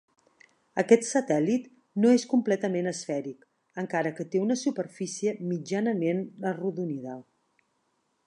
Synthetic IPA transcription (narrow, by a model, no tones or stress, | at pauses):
əkɛt̪sət̪ɛlit̪ | noeskumplɛt̪əmenəsfɛɾik | əŋkaɾəkət̪eunəsupəɾfisiəmid͡ʒanəmenəruðuniðə